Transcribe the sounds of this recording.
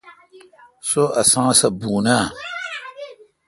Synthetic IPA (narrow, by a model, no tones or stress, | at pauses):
soasãsabuːna